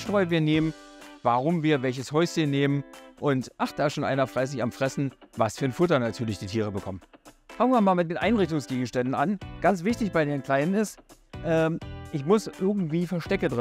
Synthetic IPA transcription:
ʃtʁ̥ɔʏviːɐneːmənvaʁʊmviːɐvɛlçəshɔʏsçənːeːmənʔʊntʔaχd̥aːɪsʃoːnʔa̰ɪnɐfʁ̥aɪs̬ɪçamfʁ̥ɛsn̩vasfyːɐnfʊtɐnatʰyːɐlɪçd̥iːtʰiːʁ̞əbəkʰɔmənfaŋəviːɐmaːlmɪtdɪːnʔaɪnʁɪçtʊŋsɡ̥eːɡŋ̩ʃtɛndn̩anɡ̥ant͡sv̥ɪçtɪçb̥aɪdeːnkl̥aɪnnɪs | ʔɛːʔɪçmʊsʔɪɐɡŋ̩tv̥iːfɛɐʃtɛkədʁɪ

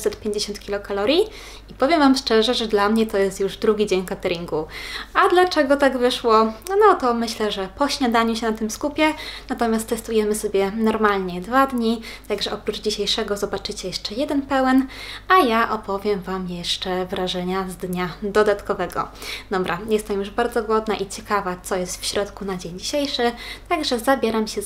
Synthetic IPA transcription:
sɛt̪̚pʲjeɲd͡ʑeɕɔ̃nt̪kʲilɔkalɔɾʲji | ipɔvʲjɛmvamʂt͡ʂɛʐɛʐɛd̪lamɲɛt̪ɔjɛst̪juʐd̪ɾuɡʲid͡ʑeɲkat̪ɛɾʲiŋɡuad̪lat͡ʂɛɡɔt̪aɡvɘʂwɔnɔt̪ɔmɘɕlɛʐɛpɔɕɲad̪aɲuɕɛnat̪ɘmskupʲjɛnat̪ɔmʲast̪ːɛst̪ujɛmɘsɔbʲjɛnɔɾmalɲɛd̪vad̪ɲit̪aɡʐɛʔɔpɾud͡ʐd͡ʑiɕejʂɛɡɔzɔbat͡ʂɘt͡ɕɛjɛʂt͡ʂɛjɛd̪ɛnpɛwɛnajaʔɔpɔvʲjɛmvamjɛʂt͡ʂɛvɾaʐɛɲazd̪ɲad̪ɔd̪at̪kɔvɛɡɔ̰d̪ɔbɾʔajɛst̪ɛmjuʐbaɾd̪zɔɡwɔd̪naʔit͡ɕɛkavat̪sɔjɛst̪fɕɾɔt̪kunad͡ʑeɲd͡ʑiɕejʂɘt̪aɡʐɛzabʲjɛɾamɕɛ

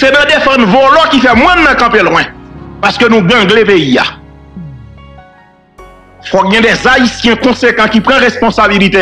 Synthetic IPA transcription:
sɛnãd̪efãd̪vɔlɔkifɛmwɛ̃nːãkãpelwɛ̃paskønũɡãɡlepejia̰ | fɔɡɛ̃d̪ɛzaisjɛ̃kɔ̃sekãkipʁãʁespɔ̃sabilit̪e

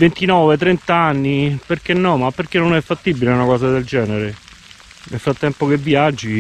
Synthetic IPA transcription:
vent̪inɔːvet̪ɾent̪aanːiperk̟enːɔmapːerk̟enːonɛfːat̪ːibileunakɔːsad̪eld͡ʒɛːneɾe | nelfɾat̪ːɛmpokevːjad͡ʒːi

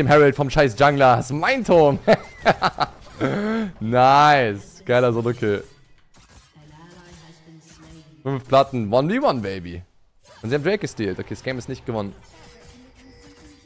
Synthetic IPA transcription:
eːmhɛʁaltfɔmʃaɪs̬d͡ʒ̥aŋɡlasmaɪntʰoːn | naɪsɡ̥aɪlɐzonokʰeː | fʏɱfpʰl̥atn̩vɔnliwɔnbeɪbḭ | ʔʊntzihaːm̩dʁɛɪk̚ɡ̥əstiːltʔokʰeːsɡ̥ɛɪmɪstnɪçt̚ɡ̥əvɔnən

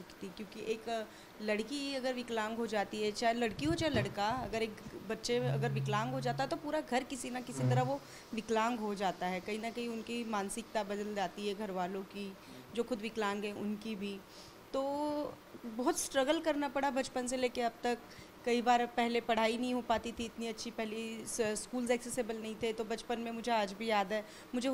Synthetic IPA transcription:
kt̪ikjõːkiʔeːk | lɐɽkiɐɡəɾʋɪklãːŋɡɦod͡ʒaːt̪iɦɛt͡ʃaːɦelɐɽkiɦot͡ʃaːɦelɐɽkaɐɡəɾeːkbɐtːʃeɐ̰ɡəɾʋɪklãːŋɡɦod͡ʒaːt̪aɦɛt̪opuːɾaɡʱɐɾkɪsinakɪsit̪ɐɾaʋo | ʋɪklãːŋɡɦod͡ʒaːt̪aɦɛkɐɦinɐkɐɦiʊnkimãːnsɪk̚t̪abɐd̪əld͡ʒaːt̪iɦɛɡʱɐɾʋaːlõki | d͡ʒoːxʊd̪ʋɪklãːŋɡɦɛʊ̰nkibʱi | t̪oː | bɔːʊt̪sʈɾɐɡəlkɐɾnapɐɽabɐt͡ʃpənseleːkeɐb̚t̪ɐkː | ɐibaːɾpɛɦlepɐɽ̤aːinɐɦĩɦopaːt̪it̪ʰiɪt̪niɐtːʃʰipɛɦliskuːlzɛːksesebəlnɐɦĩt̪ʰet̪obɐt͡ʃpənmẽmʊd͡ʒʱeaːd͡ʒbʱijaːd̪ɦɛː | mʊd͡ʒʱe

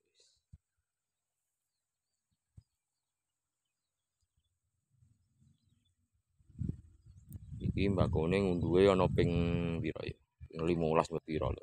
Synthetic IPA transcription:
ikimbakoneŋund̪uweɔnɔpɪŋpiɾɔ̰jɔ | nəlimolasmət̪̚iɾɔ̰lɔ̰

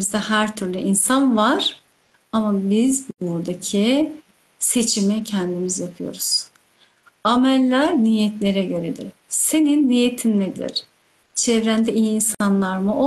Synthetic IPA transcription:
izd̪ahæɾt̪ʰyɾlʲyʔinsanvaɾ̥ | amabizbuɾd̪acʰi | se̞t͡ʃʰimicʰɛnd̪imizjapʰɯjo̞̰ɾuz̥ | amɛlʲːæɾnijɛt̪lʲe̞ɾɛɟø̞ɾed̪ḭɾ̥ | se̞ninːijet̪ʰimned̪ḭɾ̥ | t͡ʃʰɛvɾænd̪ɛijiːnsanlˠaɾmɯʔo

